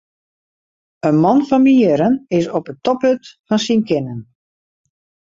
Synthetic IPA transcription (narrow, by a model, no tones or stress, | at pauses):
ənmɔnfɔnmiəɾənɪsɔpətɔpøtfɔnsinkɪnən